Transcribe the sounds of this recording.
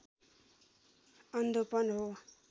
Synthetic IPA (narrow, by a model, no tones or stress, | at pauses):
ʌnd̪opʌnɦo